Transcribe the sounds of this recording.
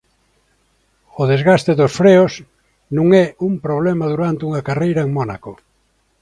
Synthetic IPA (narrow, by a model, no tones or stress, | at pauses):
oðezɣast̪eðosfɾeos | nũŋɛumpɾoβlɛmaðuɾant̪uŋakarejɾaeŋmɔna̰ko